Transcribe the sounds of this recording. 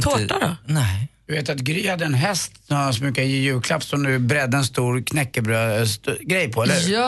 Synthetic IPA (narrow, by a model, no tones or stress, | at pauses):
t̪ʰoːʈaɾɔ̰nɛd̪ɵveːt̪at̪ɡɾyːhad̪ːəɛnɦɛst̪sɔmhaansmʉkajɪjʉ̟ːkʰlapːsɔmd̪ɵbɾɛd̪ːəɛnst̪uːɾkʰnɛkːəbɾøːst̪ɡɾɛjpʰɔɛlːə